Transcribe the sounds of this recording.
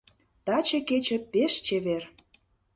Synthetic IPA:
t̪ɑt͡ɕə̆ket͡ɕə̆peʃt͡ɕeβer

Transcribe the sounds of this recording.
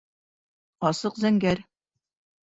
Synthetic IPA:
ɒsɤqzæŋɡæɾ

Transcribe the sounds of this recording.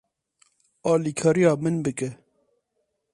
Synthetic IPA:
ɑːlikʰɑːɾijɑːmɨnbɨkɛ

